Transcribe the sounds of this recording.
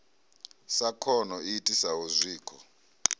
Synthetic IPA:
sakʰɔnɔitʼisauzʷiːkʰɔ̰

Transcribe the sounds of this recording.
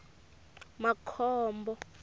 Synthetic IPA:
makʰɔːmbɔ

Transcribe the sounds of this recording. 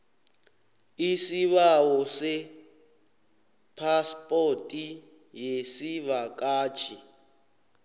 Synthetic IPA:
isiβawɔsɛ | pʰaspʼotʼi | jesiβakʼaːt͡ʃʰi

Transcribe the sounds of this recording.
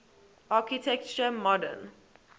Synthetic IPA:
ʔaˑkitʰɛk̚t͡ʃəmɔdə̰n

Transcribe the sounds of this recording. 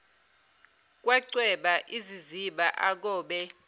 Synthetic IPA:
k̬ʼwɛǀwɛɓaʔiziziɓaʔak̬ɔːɓɛ

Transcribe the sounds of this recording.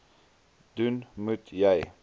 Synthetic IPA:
d̪̥ʉnmʉt̪jaj

